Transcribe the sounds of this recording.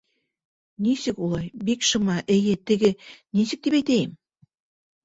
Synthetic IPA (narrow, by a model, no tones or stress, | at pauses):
nisɘkulˠɑjbikʃɤ̆mɑʔɘ̆jɘt̪ɘ̆ɡɘnisɘ̆k̚d̪ipæjt̪ejɪm